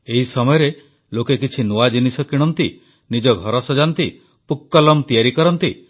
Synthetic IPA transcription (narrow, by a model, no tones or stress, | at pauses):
eɦisɔmɔjɔɾe | lokekit͡ʃʰinuad͡ʒinisɔkiɽ̃ɔnt̪i | nid͡ʒɔɡʱɔɾɔsɔd͡ʒant̪i | pukːɔlɔmt̪ijaɾikɔɾɔnt̪i